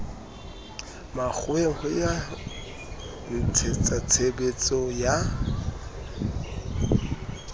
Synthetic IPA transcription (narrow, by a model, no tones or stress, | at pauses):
mak͡xʰweŋhɔja | n̩t͡sʰet͡sʼat͡sʰebet͡sʼɔja